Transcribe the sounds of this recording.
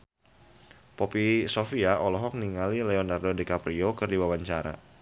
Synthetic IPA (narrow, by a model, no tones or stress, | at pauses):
pɔpisofiaʔɔlɔɦɔk̚niŋalilɛɔnardodɛkapɾiokɨrdiwawaɲt͡ʃaɾa̰